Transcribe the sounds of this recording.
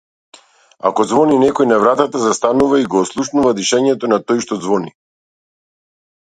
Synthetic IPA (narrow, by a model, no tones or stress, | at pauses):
a̰kɔd̪zvɔninɛkɔjnavɾat̪at̪azast̪anuvaiɡɔːslˠuʃnuvad̪iʃɛɲɛt̪ɔnat̪ɔjʃt̪ɔd̪zvɔni